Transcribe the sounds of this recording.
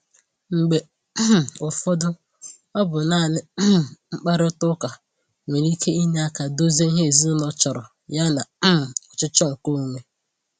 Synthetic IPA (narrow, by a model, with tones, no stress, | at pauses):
ŋ͡m̩˨ɡ͡be˨ | ʊ˨fɔ˦dʊ˦ | ɔ˦bʊ˨naː˦˨nɪ˦ŋ͡m̩˦k͡pa˦ɾɪ˦ʊ˦tʊ˦ka˨ | ŋʷe˨ɾi˦kʰe˦i˦ne˦a˦ka˨do˦ze˦i˦ɦe˦˨zi˦nɔ˦t͡ʃɔ˨ɾɔ˨ | ja˦na˨˦ɔ˨t͡ʃɪ˦t͡ʃɔ˦ŋ̩˨ko˦˨ŋʷe˦